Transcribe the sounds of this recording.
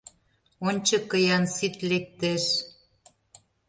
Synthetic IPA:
onʲt͡ɕɤ̆kːəjɑnsit̪lek̚t̪eʃ

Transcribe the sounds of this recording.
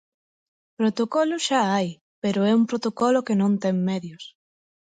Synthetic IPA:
pɾot̪okɔlʊʃaaj | peɾʊɛumpɾot̪okɔlokenõnt̪ɛŋmɛðjʊs

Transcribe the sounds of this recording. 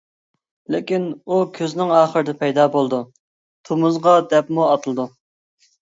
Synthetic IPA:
lɪ̰kʲinukʲʰøznɪŋɑːχəɾɨd̪ɛpʰɛjd̪ɑːbolˠd̪u | t̪ʰomʊzʁɑd̪ɛpmuɑt̪ʰɨlˠɨd̪u

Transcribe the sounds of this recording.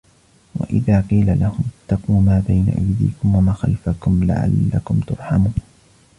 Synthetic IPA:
wa̰ʔɪðaːqiːlalahʊmɪt̪ːaquːmaːbajna̰ʔajd̪ḭːkʊmwamaxalfakʊmla̰ʕa̰lːakʊmt̪ʊɾˤħamuːn

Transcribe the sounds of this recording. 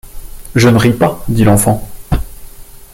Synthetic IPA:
ʒənəʁipad̪ilɑ̃fɑ̃

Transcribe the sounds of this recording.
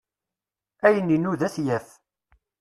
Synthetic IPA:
æjənːinuðæθjæf

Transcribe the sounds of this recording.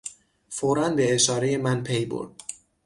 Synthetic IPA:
foɾænbeeʃɒːɾejemænpʰejbo̰ɾd̪̥̚

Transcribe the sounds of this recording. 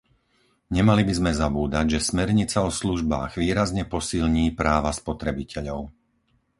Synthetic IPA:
ɲɛmalibizmɛzabuːd̪aɟʒɛsmɛɾɲit͡saɔsluʒba̰ːɣʋiːɾazɲɛpɔsilɲiːpɾaːʋaspɔt̪ɾɛbicʰɛʎɔʊ

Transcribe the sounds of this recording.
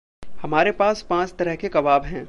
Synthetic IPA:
hɐmaːɾepaːspãːt͡ʃt̪ɐɾəɦkekɐʋaːbɦɛ̃ː

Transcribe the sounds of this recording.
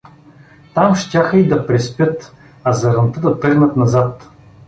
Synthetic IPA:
t̪amʃt̪ʲaxəid̪ɐpɾɛspʲjət̪ | azɐɾɐnt̪əd̪ɐt̪ɤɡnət̪nazat̪

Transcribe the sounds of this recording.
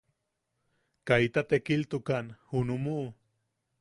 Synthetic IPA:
kait̪at̪ekilt̪ukanhunumuʔ

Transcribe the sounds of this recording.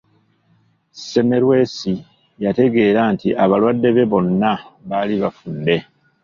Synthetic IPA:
se̞me̞ɾwe̞si | jate̞ɡe̞ːɾaːntiʔaβalwadːe̞βe̞βo̞nːaβaːliβafunde̞

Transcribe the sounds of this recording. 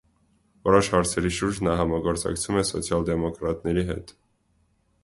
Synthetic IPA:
ɔɾɔʃhɑɾt͡sʰɛɾiʃuɾd͡ʒnɑɦɑmɑɡɔɾt͡sɑ̰kt͡sʰumɛsɔ̰t͡sʰjɑld̪ɛmɔkɾɑt̪nɛɾiɦɛ̰t̪

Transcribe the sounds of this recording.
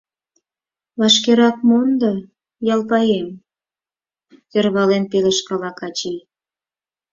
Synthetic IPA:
βɑʃkeɾɑk̚mond̪o | jɑlpɑjem | t̪ørβɑlenpeleʃkɑlɑkɑt͡ɕij

